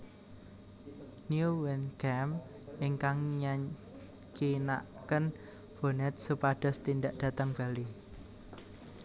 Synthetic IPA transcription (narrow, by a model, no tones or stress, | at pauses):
njuwɛnkɛm | iŋkaŋɲaɲ | kina̰ʔkən | b̥o̤nɛt̪̚supaɖ̥ɔ̤st̪ind̪aʔd̥ä̤t̪əŋb̥a̤li